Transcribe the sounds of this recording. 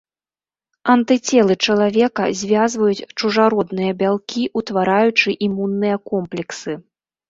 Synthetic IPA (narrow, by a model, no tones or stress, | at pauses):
ɐnt̪ɨt͡sʲɛlˠɨt͡ʂɐlˠavʲɛkɐzʲvʲazvɐjut͡sʲt͡ʂuʐaɾɔd̪nɨjɐbʲalˠkʲiʔut̪vaɾajut͡ʂɨʔimunːɨjɐkɔmplʲɛksɨ